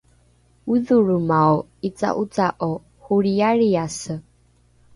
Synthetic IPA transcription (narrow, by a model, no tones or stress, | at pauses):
uðuɾumaɔit͡sa̰ʔut͡saʔɔ | huɺiaɾiasə